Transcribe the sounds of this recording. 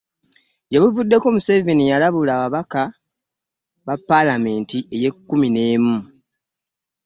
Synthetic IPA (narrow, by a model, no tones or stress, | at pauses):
ɟeβuvudːe̞ko̞ːmusevenijalaβulaːβaβaka | βapːalame̞ːntiʔe̞je̞kːumine̞ːmu